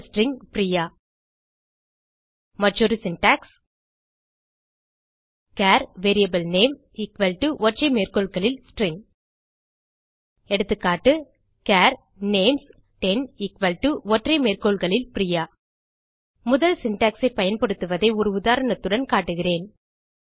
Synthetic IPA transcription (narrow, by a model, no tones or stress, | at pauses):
sʈrɪŋpɪɾɪjaː | mɐʈrɔɾɯsɪnʈaːks | kaːɾʋeːɾijɐbɐlneːm | ɪkʋɐlʈuʔɔʈrɐɪmeːrkoɭɣɐɭɪlsʈrɪŋɡ | ɛɽɯt̪ːɯkːaːʈːɯ | kaːɾ | neːms | ʈɛnɪkʋɐlʈuɔʈrɐɪmeːrkoːɭɣɐɭɪlpɾɪjaː | mʊðɐlsɪnʈaːksɐɪpɐjɐnpɐɽɯt̪ːɯʋɐðɐɪɔɾɯʊðaːɾɐɳɐt̪ːɯɽɐnkaːʈːɯɣɪreːn